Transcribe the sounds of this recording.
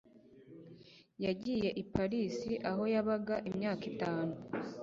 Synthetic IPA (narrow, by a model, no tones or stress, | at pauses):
jaɟiːje̞ʔipaɾisiʔaɦo̞jaβaɡaʔimɲaːkitaːno